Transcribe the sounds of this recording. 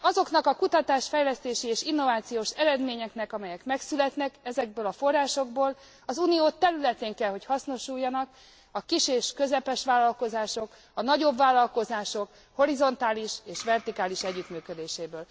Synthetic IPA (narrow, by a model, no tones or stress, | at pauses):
ɒzo̞knɒkɒkut̪ɒt̪aːʃfɛjlɛst̪eːʃieːʃinːo̞vaːt̪sijoːʃɛɾɛd̪meːɲɛknɛkɒmɛjɛkmɛksylɛt̪nɛkɛzɛɡ̚bøːlɒfo̞rːaːʃo̞ɡboːl | ɒzunioːt̪ːɛɾylɛt̪eːŋkɛlɦo̞chɒsno̞ʃuːjːɒnɒk | ɒkiʃeːʃkø̞zɛpɛʃʋaːlɒlko̞zaːʃo̞k | ɒnɒɟo̞bvaːlːɒlko̞zaːʃo̞k | ho̞ɾizo̞nt̪aːliʃeːʃʋɛrt̪ikaːliʃɛɟːyt̪myːkød̪eːʃeːbøːl